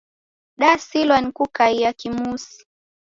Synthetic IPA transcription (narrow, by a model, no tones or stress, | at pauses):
ɗasilwanikukaijakimusi̥